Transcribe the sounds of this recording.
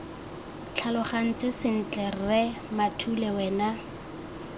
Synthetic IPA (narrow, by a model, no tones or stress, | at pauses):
t͡ɬʰalʊχan̩t͡sɪsɪn̩t͡ɬɛrrɛ | matʰulɛwɛːna